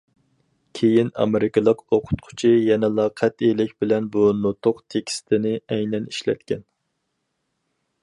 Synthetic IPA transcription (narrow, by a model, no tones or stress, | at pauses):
kʲʰejinɑ̰meɾɪkɑlˠəqoqʰʊ̥t̪̚qʰʊ̥t͡ʃʰijɛnɛlˠɑqʰæt̪ilɪkʲbɪlɛnbunot̪ʰʊqt̪ʰekʲi̥st̪ʰɪnɪɛjnɛniʃlɛ̰t̪̚kʲɛn